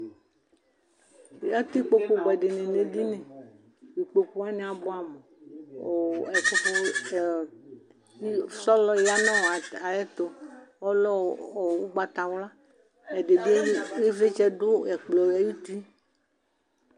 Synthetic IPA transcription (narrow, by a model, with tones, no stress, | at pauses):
a˦t̪i˦k͡po˨k͡po˨ɡ͡bɛ˨ɖe˨nẽ˨ne˨di˦nẽ˨ | wi˨k͡po˨ku˦a˦nẽ˨˦a˨bo˦a˨mɔ˨o˨ɛ˨fɔ˦fɔ˦˨˦ | sɔ˦lɔ˦ja˦nɔ̃˦˨a˨jɛ˦t̪o˨ɔ˦lɔ˦˨wu˦ɡ͡ba˨t̪a˨wla˦ | ɛ˨de˨di˦e˦ve˦t͡ʃɛ˦dʊ˦ɛ˨k͡plɔ˨a˦ju˦t̪i˦